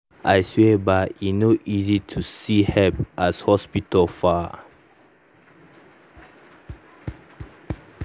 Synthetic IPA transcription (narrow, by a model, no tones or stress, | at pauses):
ʔajswebainoʔizitʰusihɛpʔashɔspitəlfa